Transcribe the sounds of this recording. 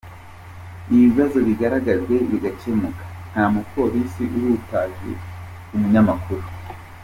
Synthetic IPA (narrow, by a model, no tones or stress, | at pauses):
iβiβazo̞βiɡaɾaɡazɡe̞βiɡat͡ʃemukḁn̥haːmupo̞ɾisiʔuɾutaːʒḛ | umuɲamakuɾu